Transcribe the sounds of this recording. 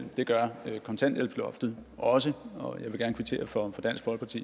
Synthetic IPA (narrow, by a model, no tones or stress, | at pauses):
l̰m̩d̥e̝ɡ̥ɶɐøkʰɒ̽nt͡sʰæn̰d̥elpʰlɒfd̥ð̩ˠʔɒ̽səɒjɑ̈ɪʋe̝ɡæɐnəkʰʋit͡sʰe̝̰ːɐfɒ̽fɒ̽d̥æn̰sɡ̥bɒ̽l̰ɡ̥əpʰɑ̈t͡sʰḭː